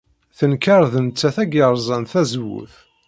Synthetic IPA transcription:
θənkɑɾˤðənt͡sːæθæɡəɾˤzˤɑnθæzwṵθ

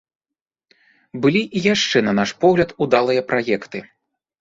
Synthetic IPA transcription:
bɨlʲiʔijaʂt͡ʂɛnɐnaʂpɔɣlʲɐt̪ud̪alˠɨjɐpɾʔajɛkt̪ɨ

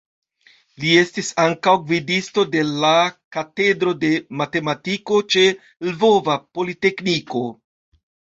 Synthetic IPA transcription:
lie̞stisaŋkawɡvidisto̞de̞lakate̞dɾo̞de̞mate̞matiko̞t͡ʃe̞ | lvo̞vapo̞lite̞kniko̞

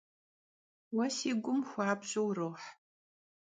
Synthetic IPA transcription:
wɐsiːɡʷʊmxʷɑːbɕʼowroːħ

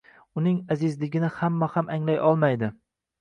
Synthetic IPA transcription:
ʊnɪŋazɪzlɪɡʲɪnɪhamːahamaŋlajʔɒlˠmajd̪ɪ

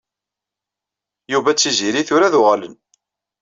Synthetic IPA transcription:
juvæt͡sːiziɾiθʊɾaðʊʁlə̰n

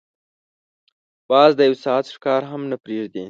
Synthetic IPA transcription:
b̥ɑzd̪əjawsɑat̪ʂkɑɾɦamnapɾeʐd̪i

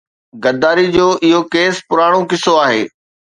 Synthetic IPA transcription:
ɡɐɾd̪aːɾid͡ʑoːʔɪɦokeːspʊɾaːɽ̃okɪsoaːɦeː

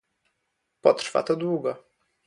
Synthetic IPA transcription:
pɔt̪rfa̰t̪ɔd̪wuɡɔ

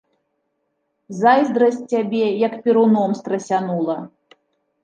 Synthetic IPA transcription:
zajzd̪ɾɐs̚ʲt͡sʲːabʲɛjɐkpʲiɾunɔmst̪ɾɐsʲanulˠɐ

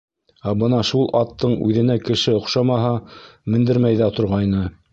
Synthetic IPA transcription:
æbɤnɑʃulˠʔɑt̪ːɤɴʉ̰ðɘ̆nækɘ̆ʃɘŏqʃɑmɑɦɑmɘ̆nd̪ɘ̆ɾmæjðæt̪ŏɾʁɑjnɤ

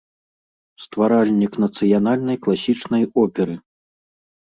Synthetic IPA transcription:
st̪vaɾalʲnʲiknɐt̪sɨjanalʲnɐjklˠasʲit͡ʂnɐjɔpʲɛɾɨ

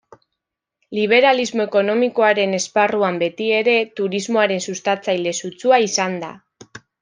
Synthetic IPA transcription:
liβ̞e̞ɾalizmo̞e̞ko̞no̞miko̞aɾe̞ne̞sparuambe̞t̪ie̞ɾe̞t̪uɾizmo̞aɾe̞nsust̪at͡sajle̞sut͡suaisand̪a̰

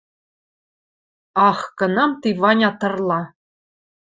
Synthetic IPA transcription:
ɑχkɤ̆nɑmt̪ivɑnʲɑt̪ɤ̆rlˠɑ

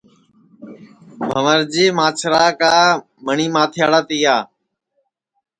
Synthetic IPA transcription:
bʱəʋəɾd͡ʒeːmaːt͡ʃʰɾaːkaː | məɳiːmaːt̪ʰjaːɽaːt̪iːaː

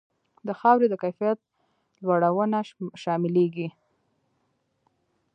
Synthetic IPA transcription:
d̪əxɑwɾed̪əkajfijat̪̚ | lwaɽawənaʃɑmɪleɡi

